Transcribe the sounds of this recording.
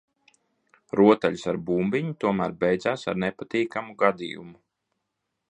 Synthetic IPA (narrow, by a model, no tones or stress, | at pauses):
ɾuɔt̪aʎusaɾbumbiɲut̪uɔmæːɾbɛjd̪zaːsaɾnepat̪iːkamuɡad̪ḭːjṵmu